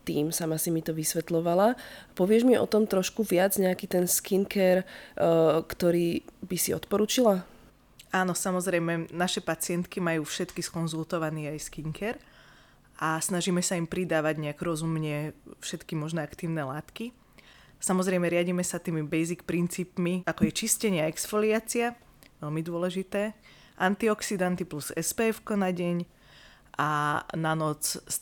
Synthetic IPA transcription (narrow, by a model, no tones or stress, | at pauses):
t̪iːmsamasimit̪ɔʋisʋɛt̪lɔʋalapɔʋɪɛʒmiɔ̰t̪ɔmt̪ɾɔʃkuʋɪad͡zɲɛakit̪ɛnskiŋkɛɾ | kt̪ɔɾiːbisiɔ̰t̪pɔɾut͡ʃila | aːnɔsamɔzɾɛjmɛnaʃɛpat͡sɪɛnt̪kimajuːfʃɛt̪kiskɔnzulˠt̪ɔʋaniːajskiŋkʰɛɾ | ʔasnaʒiːmɛsaimpɾid̪aːʋaɟɲɛakɾɔzumɲɛfʃɛt̪kimɔʒnɛakt̪iːʊnɛlaːt̪ki | samɔzɾɛjmɛɾɪaɟimɛsat̪iːmibɛjzikpɾint͡siːpmiakɔjɛt͡ʃiscɛɲɪaɛksfɔliaːt͡sia | ʋɛlmid̪ʊɔlɛʒit̪ɛː | ʔant̪iɔksid̪ant̪ipluzɛ̰spɛːfkɔnaɟɛɲ | ʔananɔt͡s